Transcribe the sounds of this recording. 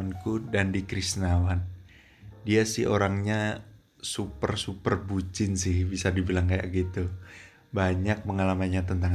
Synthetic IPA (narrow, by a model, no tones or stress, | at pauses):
ankudandikɾisnawan | diasɪhoɾaŋɲa | supərsupərbut͡ʃɪnsɪhbisadibilaŋkaja̰ɡit̪u | baɲak̚məŋalamaɲat̪ənt̪aŋ